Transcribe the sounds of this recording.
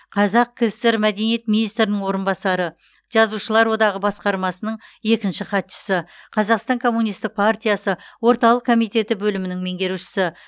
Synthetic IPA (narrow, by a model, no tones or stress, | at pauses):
qʰɑzɑq̚kʲʰɪzt̪eɾmæd̪e̞nije̞t̪̚minijst̪ɾɪnɪŋwo̞ɾənbɑsɑɾə | ʒ̥ɑzuʃəlˠɑɾwo̞d̪ɑʁəbɑsqɑɾmɑsənəɴje̞kʲɪnʃɪχɑt̪ʃə̥səqʰɑzɑqst̪ɑŋkʰo̞mːunijst̪ɪk̚pʰart̪ʲijɑsəwo̞ɾt̪ɑlˠəq̚kʰo̞mijt̪e̞t̪ɪbɵlɪmɪnɪŋme̞ŋɡʲe̞ɾuʃɪ̥sɪ